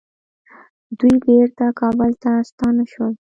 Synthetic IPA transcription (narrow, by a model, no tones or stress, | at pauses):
d̪ujbeɾt̪akɑbəlt̪ast̪ɑnaʃwəl